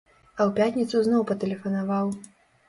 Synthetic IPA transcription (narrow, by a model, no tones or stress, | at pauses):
ɐwpʲat̪ʲnʲit̪suznɔwpɐt̪ɛlʲɛfɐnavaw